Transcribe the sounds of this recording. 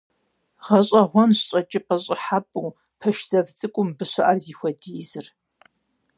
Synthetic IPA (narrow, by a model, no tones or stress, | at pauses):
ʁɐɕʼɐʁʷɔnɕɕʼɐt͡ʃʼɪqɐɕʼɪħapʼuː | pʰɐʃz̥ɐvt͡sʼɨkʷʼʊmbɨɕɐʔarziːxʷɔdiːzɨr